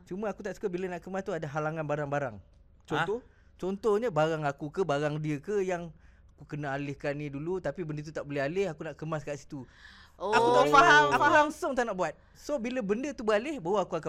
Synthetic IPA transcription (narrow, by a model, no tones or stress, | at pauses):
t͡ʃumə̃akut̪aʔsu̥kabilənaʔkəmast̪uadaɦalaŋanbaɾaŋbaɾaŋ | t͡ʃɔt̪ɔh | t͡ʃɔnt̪ɔhɲəbaɾaŋakukəbaɾaŋdiəkəjaŋ | akukənaalɪhkanĩdulut̪apibəndət̪̬ut̪aʔboleɦalɪhakunaʔkəmaskaʔsi̥t̪u | akut̪aaakulaŋsʊŋt̪aʔnaʔbuat̪̚ | sobiləbəndət̪ubəalɪhbawəakuaka